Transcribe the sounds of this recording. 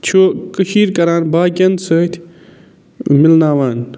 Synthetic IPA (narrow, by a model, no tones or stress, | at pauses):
t͡ʃʰoːkəʃiːɾkɐɾaːnbaːkʲɐnd̪səːt̪ʰ | milnaːwaːn